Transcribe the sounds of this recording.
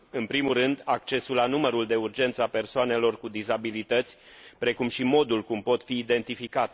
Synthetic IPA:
ɨnpɾimulrɨnd̪ak̚t͡ʃe̞sulːanuməɾuld̪e̞urd͡ʒe̞nt̪səape̞rsoane̞lo̞rkud̪izabilit̪ət̪sʲpɾe̞kumʃimo̞d̪ulkumpo̞t̪fiːd̪e̞nt̪ifikat̪

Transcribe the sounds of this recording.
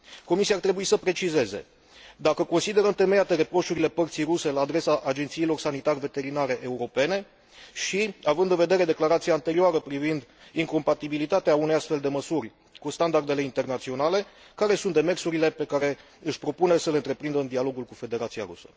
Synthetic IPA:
ko̞misiart̪ɾe̞buisəpɾe̞t͡ʃize̞ze̞̰ | d̪akəko̞nsid̪e̞ɾəɨnt̪e̞mejat̪e̞ɾe̞pɾo̞ʃuɾile̞pərt̪sijɾuse̞laːd̪ɾe̞saʔad͡ʒent̪sijːlo̞rsanit̪arʲve̞t̪e̞ɾinaɾe̞ʔeuɾo̞pe̞ne̞ | ʃiavɨnd̪ɨnve̞d̪e̞ɾe̞d̪e̞klaɾat̪sijaːnt̪e̞ɾioaɾəpɾivind̪ | iŋko̞mpat̪ibilit̪at̪eaune̞jast̪fe̞ld̪e̞məsurʲ | kust̪and̪ard̪e̞leint̪e̞rnat̪sio̞nale̞ | kaɾe̞sunt̪d̪e̞me̞rsuɾile̞pe̞kaɾe̞ | ɨʃʲpɾo̞punesəle̞ɨnt̪ɾe̞pɾind̪əɨnd̪ialo̞ɡulkufe̞d̪e̞ɾat̪sija̰ɾṵsə̥̰

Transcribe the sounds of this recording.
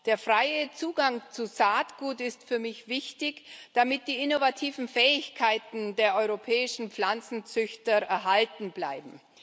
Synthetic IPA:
d̥eːɐfʁ̥aɪət͡suːɡaŋt͡suzaːtɡ̥uːtɪstfyːɐmɪçv̥ɪçtɪçd̥amɪt̚d̥iːʔɪnovatʰiːvn̩fɛːɪçkʰaɪtn̩deːɐʔɔʏʁopʰɛːɪʃn̩pp͡flant͡sn̩t͡sʏçtɐʔɛɐɦaltn̩bla̰ɪbm̩

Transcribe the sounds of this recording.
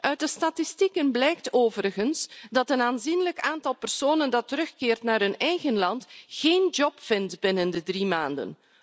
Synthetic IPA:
ʔœɥt̚dəstatɪstikənblɛjktoːvəɾəɣənsdɑtənaːnzinləkaːntɑlˠpərsoːnəndɑtəɾɵxkɪːrtnaːrɦɵnɛjɣənlɑntxeːnd͡ʒɔpfɪntbɪnəndədrimaːndə̰n

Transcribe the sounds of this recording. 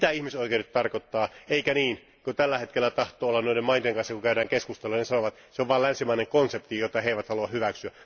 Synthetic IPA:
it̪æihmisoikeurit̪t̪ɑrkot̪ːɑːeikæniːn | kot̪ælːæhet̪kelːæt̪ɑht̪oːolːɑnnoidemɑint̪eŋkɑnsjɑkukæyɾæːŋkeskust̪eluɑnesɑnoʋɑt̪seoʋʋɑːlænsimæˑineŋkonsept̪ijot̪ːɑheiʋæt̪hɑluɑhyʋæksyæ

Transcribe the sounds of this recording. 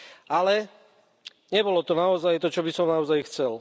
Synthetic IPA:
alɛ | ɲɛbɔlɔt̪ɔnaɔzajt̪ɔt͡ʃɔbisɔmnaɔzajxt͡sɛl

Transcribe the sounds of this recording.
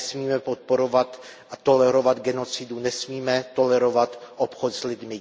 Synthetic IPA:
smiːmɛpot̪̚po̞ɾovat̪ | at̪o̞lɛɾo̞vad̪ɡɛno̞t͡sɪdunɛsmiːmɛt̪o̞lɛɾo̞vat̪ʔopxot̪zlɪd̪mɪ

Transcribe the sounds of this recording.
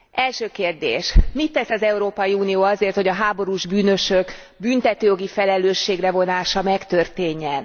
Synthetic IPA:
ʔɛlʃøːkeːrd̪ḛːʃmit̪ːɛsɒzɛuɾoːpɒjiuːnijoːɒzeːrt̪ho̞ɟɒɦaːbo̞ɾuːʒbyːnø̞ʃøk | bynt̪ɛt̪øːjo̞ɡifɛlɛløːʃːeːɡrɛvo̞naːʃɒmɛkt̪ørt̪eːɲːɛn

